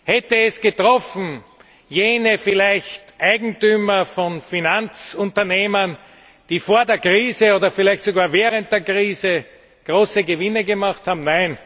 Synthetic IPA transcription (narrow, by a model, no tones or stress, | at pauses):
hɛtəɛsɡ̥ətʁ̥ɔfn̩ | jeːnəfɪlæɪçtʔaɪɡŋ̩tyːmɐfɔnfinant͡sʊ̃ntɐneːmən | d̥iːfoːɐdeːɐkʁiːzəoːdɐfɪlæɪçtsoɡaːɐvɛːʁənt̚d̥eːɐkʁiːzə | ɡ̥ʁoːsəɡəvɪnəɡəmaχthaːbm̩naɪn